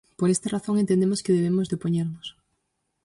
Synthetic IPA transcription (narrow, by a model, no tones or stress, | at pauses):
poɾest̪ɐraθoŋent̪end̪emoskeðeβemozðeopoɲeɾnʊs